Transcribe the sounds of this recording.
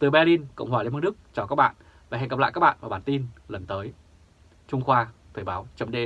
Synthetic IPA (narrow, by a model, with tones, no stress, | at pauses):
t̪ɨ˨˩ɓɛ˧li˧nkə̰˧˨wŋ͡mhwaː˨˩lmhnɗɨ˦˥k̚t͡ɕaː˨˩wkaː˦˥k̚ɓa̰ː˧˨n | va˨˩ɦŋə˨˩pla̰ː˧˨kaː˦˥k̚ɓ̰ːnvaː˨˩ɓaː˨˩nt̪i˧nlə˨˩nt̪əː˨˦j | t͡ɕʊ˧ŋ͡mxwaː˧t̪ʰəː˨˩jɓaː˨˦wt͡ɕə˨˦mɗe˧